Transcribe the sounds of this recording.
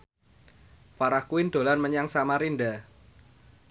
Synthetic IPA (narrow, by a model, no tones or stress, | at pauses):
faɾahkuɪnd̪̥o̤lanməɲaŋsamaɾinɖa